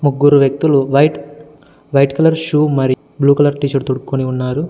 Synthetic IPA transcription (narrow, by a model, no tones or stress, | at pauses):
muɡːuɾuʋjɐk̚t̪uluʋɐjʈ | ʋɐjʈkɐlɐɾʃuːmɐɾi | bluːkɐlɐɾʈiːt͡ʃɐɽt̪uɽukkoniunːaːɾu